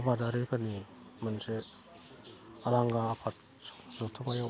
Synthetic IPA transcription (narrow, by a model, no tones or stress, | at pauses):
badaɾikʰani | manse | alaŋɡaːpʰat̚ | zɔtʰɯmajo